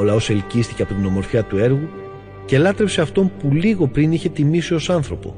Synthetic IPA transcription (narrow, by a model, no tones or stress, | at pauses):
olɐo̞se̞lcist̪iceɐpo̞t̪ino̞mo̞ɾfçɐt̪ue̞ɾɣu | ce̞lɐt̪ɾe̞pse̞ɐft̪o̞mpuliɣo̞pɾiniçe̞t̪imisio̞sɐnθɾo̞po̞̰